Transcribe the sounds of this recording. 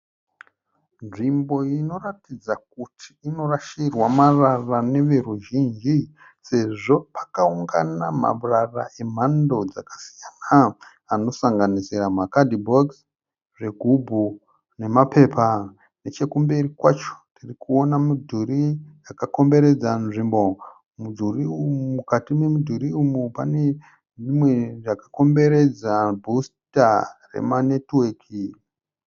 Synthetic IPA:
nʐimbo̞ino̞ratid͡zak̚utʰi̥ːno̞raʃirwamararane̞ʋeɾuʒind͡ʒi | se̞ʐo̞pḁkauŋɡa̰nama̰ɓurara̰ʔe̞m̤ando̞d͡zakḁsijana | ano̞saŋɡanisiramakadʱibʱoks | ʐe̞ɡʱubʱu | ne̞mape̞ːpa | ne̞t͡ʃe̞kumberikwat͡ʃo̥tirikuo̞namudʱuɾijakako̞mbe̞ɾe̞d͡zanʐimbo̞ | mudʱuriumumukatime̞mudʱuɾiumupane̞ | ʐimwe̞ʐakḁko̞mbe̞ɾe̞d͡zabʱustarḛmanetwekʰi

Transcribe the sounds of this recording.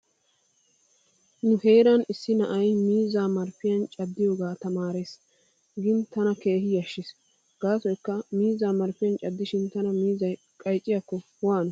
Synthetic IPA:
nʊhejɾɐnɪsːɪnɐʔɐjmiːzaːmɐɾfɪjɐnt͡ʃʼɐd̪ːɪjoːɡaːt̪ɐmaːɾeːs | ɡɪnt̪ɐnɐke̞ːhɪjɐʃːɪs | ɡ̥aːsɔjkːɐmiːzaːmɐɾfɪjɐnt͡ʃʼɐd̪ːɪʃɪnt̪ɐnɐmiːzɐj | kʼɐjt͡ʃʼːɪjɐkːɔ | waːnʊ

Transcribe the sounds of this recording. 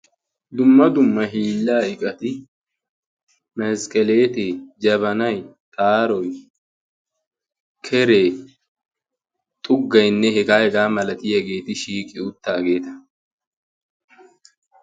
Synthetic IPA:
d̪ʊmːɐd̪ʊmːɐɦiːlːaːɪkʼɐt̪ɪ | mɛskʼɛle̞ːt̪eːd͡ʒɐβɐnɐjt̪ʼaːɾɔj | kʰɛɾeː | t̪ʼʊɡːɐjnːɛhɛɡaːhɛɡaːmɐlɐt̪ɪjɐɡe̞ːt̪ɪʃiːkʼɪʊt̪ːaːɡe̞ːt̪ɐ̥

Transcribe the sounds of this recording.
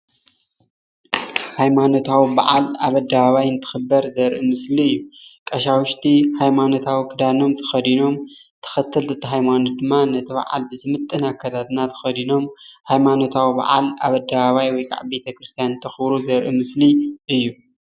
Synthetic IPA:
hajmano̞t̪ʰawiba̰ʕalaβɐd̪ːaβaβajɨnt̪ʰɨ̥xɨbːɐɾzɐɾʔɨmɨsliɨjːukʼɐʃawʊʃt̪ʰihajmano̞t̪ʰawikʰɨd̪ano̞mt̪ʰɐ̥xɐd̪ino̞mt̪ʰɐ̥xɐt̪ʰːɨlzɨt̪ʰːɨɦajmanod̪ɨmːanɐt̪ʰɨβa̰ʕa̰lbɨzɨmɨt̪ʼːɨnakʰːat̪ʰat̪nat̪ʰɐ̥xɐd̪ino̞mhajmano̞t̪ʰawiba̰ʕa̰la̰βɐd̪aβaβajwɔjkʰa̰ʕbe̞t̪ʰɐkɾɨst̪ʰijanɨnt̪ʰɐxɨbɾuzɐɾʔɨmɨsliʔɨjːu

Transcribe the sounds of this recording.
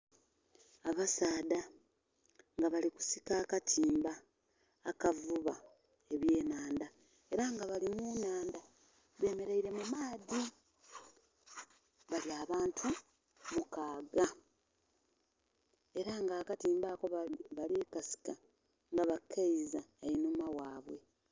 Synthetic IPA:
aβasaːda | ŋɡaβaliku̥sikaːkatʰiːmbaː | kavuβa | e̞βje̞ːnaːnda | e̞ɾaŋɡaβalimunaːnda | βe̞ːme̞ɾeiɾe̞mumaːði | βaliaːβaːntʰu | mukaːɡa | e̞ɾaŋɡaːkatiːmbako̞βalikasi̥ka | ŋɡaβakʰːaizaajinumawaːβwe̞

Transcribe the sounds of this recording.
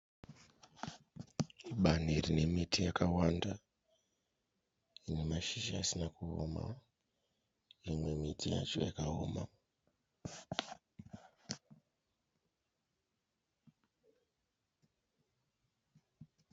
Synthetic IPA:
ɓan̤irine̞mitijakawanda | inemaʃiʃaːsinakuo̰ma̰ | imwe̞mitʰija̰t͡ʃo̞̰jakao̰ːma

